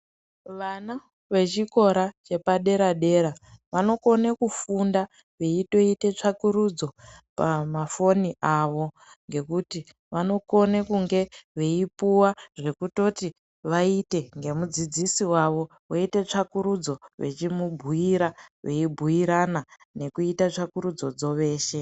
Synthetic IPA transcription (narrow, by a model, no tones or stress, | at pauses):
ʋana | ʋe̞t͡ʃiko̞ɾat͡ʃe̞paɗe̞ɾaɗe̞ɾaʋano̞ko̞nekufunda | ʋeito̞ite̞t͡ʂakuɾud͡zo̞pamafo̞niʔaʋo̞ | ŋɡe̞kuti | ʋano̞ko̞nekuŋɡe̞ʋe̞ipuwaʐe̞kuto̞ti | ʋaite̞ŋɡe̞mud͡zid͡zisiwaʋo̞ | waite̞t͡ʂakuɾud͡zo̞ʋe̞̰t͡ʃimubʱuiɾaʋe̞ibʱujiɾana | ne̞kuitat͡ʂakuɾud͡zo̞d͡zo̞ʋe̞ːʃe̞